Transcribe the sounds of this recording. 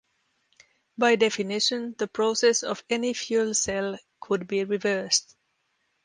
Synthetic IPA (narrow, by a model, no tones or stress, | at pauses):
baɪdɛfɨnɪʃə̃nðəpʰɹ̥osɛsɔvɛnifjulˠsɛlˠkʰʊd̚biɹɪvɜ˞st